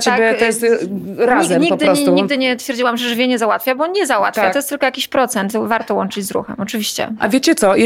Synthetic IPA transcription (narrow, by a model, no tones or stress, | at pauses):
tt͡ɕeakʲbjɛɔjɛst̪ɾɲaizɛmɲipɔɡd̪ɨɾɔuɲiɡd̪ɘɲɛt̪fʲjɛɾd͡ʑiwamʐɛʐvʲjɛɲɛzawat̪fʲabɔɔnɲɛzawa̰t̪ffjat̪ɔjɛst̪ɘlkɔjakʲiɕpɾɔt̪sɛnt̪vaɾt̪ɔwɔnt͡ʂɘd͡ʑzɾṵxɛ̰mɔt͡ʂɨvʲiɕt͡ɕɛ̰ʔa̰vʲjet͡ɕɛt̪sɔj